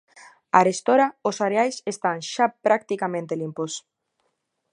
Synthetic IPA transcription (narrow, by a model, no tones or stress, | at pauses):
a̰ɾest̪oɾaosaɾeajsest̪aŋʃapɾak̚t̪ikamẽnt̪elimpos